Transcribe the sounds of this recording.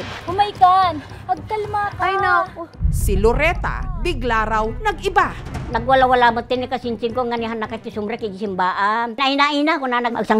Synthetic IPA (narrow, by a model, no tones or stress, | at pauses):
hʊmajkan | ɐɡ̚k̪ɐlmakajnasɪloɾɛt̪a̰bɪɡlaɾawnɐɡɪbanɐɡwalawalamʊt̪ːɪnɪkasɪnt͡ʃɪŋkoŋːanɪɦanːakat͡ʃːɪsʊmɾakɪɡsɪmbaːʔannaʔinainakonanaa̰ɡsaŋ